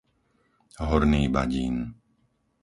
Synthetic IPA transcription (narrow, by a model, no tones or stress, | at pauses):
ɦɔɾniːba̰ɟiːn